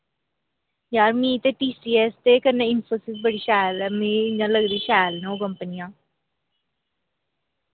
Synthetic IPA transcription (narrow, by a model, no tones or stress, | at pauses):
jaːɾmĩːt̪eʈiːsiːɛst̪ekəɾnẽɪnfoːsɪsbəɽiʃaːlɛmĩd͡ʒãləɡɾiiʃaːlneokəmpənijãː